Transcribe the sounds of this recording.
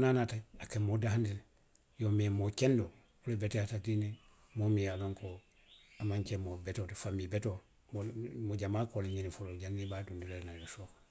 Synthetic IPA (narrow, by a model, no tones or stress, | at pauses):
nanataakemodaɦandil | jomemokendo | ulebeteatatine | momijaloŋko | amaɲcemobetotefamibeto | momoɟamaːkoleɲinifoloɟanːibaːtundilelnaosoːk